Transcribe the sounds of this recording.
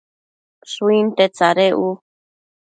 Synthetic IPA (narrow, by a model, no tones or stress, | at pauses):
suint̪et͡saɾeʔu